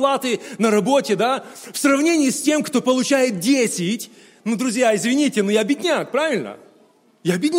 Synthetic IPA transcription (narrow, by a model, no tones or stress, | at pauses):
plˠat̪ɨnəɾɐbo̞tʲɪd̪afsrɐvnʲenʲɪːsʲtʲe̞mkt̪o̞pəlˠʊt͡ɕæjɪt̪̚dʲesʲɪtʲ | nud̪ɾʊzʲjaɪzvʲɪnʲitʲɪnujabʲɪdʲnʲak̚pɾavʲɪlʲnə̰ | jabʲɪdʲnʲ